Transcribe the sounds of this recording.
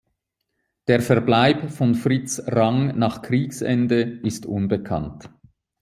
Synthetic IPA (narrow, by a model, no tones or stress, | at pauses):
d̥eːɐfɛɐblaɪpfɔnfʁɪt͡sʁaŋnaːχkʁ̥iːksɛ̰ndəɪstʊnbəkʰa̰nt